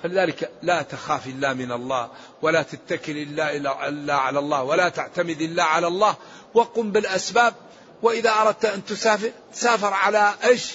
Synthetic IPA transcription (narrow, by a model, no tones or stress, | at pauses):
falɪðaːlɪklat̪axaːfʔɪlːaːmɪnɑlˤːɑ̰ːh | walat̪at̪ːakɪlʔɪlːaʔɪlːaʕalalˤːɑːwalat̪aʕt̪amɪd̪ʔɪlːaʕalalˤːɑːh | waquːmbɪlʔasbaːb̚ | wɪʔɪðaʔɑɾˤɑd̪̚t̪ʔant̪ʊsaːfɪɾ | saːfɪɾˤʕalaʔeːʃ